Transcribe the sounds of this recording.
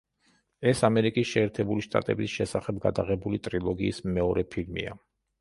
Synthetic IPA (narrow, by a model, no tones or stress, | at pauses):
ɛsamɛɾikʼisʃɛːɾt̪ʰɛbuliʃt̪ʼa̰t̪ʼɛbisʃɛsaχɛbɡad̪aʁɛbulit̪ʼɾilˠɔɡiːsmɛɔɾʔɛpʰiɾmḭa̰